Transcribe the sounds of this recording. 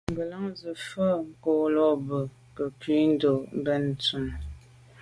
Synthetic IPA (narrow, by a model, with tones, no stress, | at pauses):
m̩˨bə˨la˦ŋzə˨fə˦ŋ̩˨koː˨lɔ˦˨bə˨ | kə˨kɥi˦n̩˦do˨˦bɛ˦n˨tu˨n